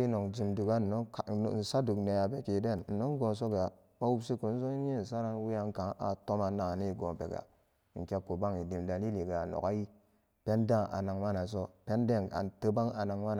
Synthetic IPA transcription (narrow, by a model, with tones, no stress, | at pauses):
i˦no˨ŋd͡ʒi˨mdu˨ɡa˦n̩˨no˦˨n̩˨sa˦du˨kne˨ja˨be˨ke˨de˦˨nn̩˨no˦ŋ˦ɡo˨s̬o˦ɡa˨ | ma˦wu˦bsi˦ko˨n˦so˦ɲi˦n̩˨sa˦ɾa˦nwi˦ja˦ŋka˨˦ʔa̰˨to˦ma˨na˨ni˦˨ɡo˨pḛ˨ɡa̰˨˦ | ŋ̩˨ke˦kːo˨ba˦ŋi˨di˨mda˨li˦li˨ɡa˨no̰˨ka˦ji˦ | pe˦ndã˦ŋʔa̰˨na˨ŋma˦na˨s̬o˦pe˦nde˦˨na̰˨tə˦ba˦ŋa˨na˨ŋma˦n˨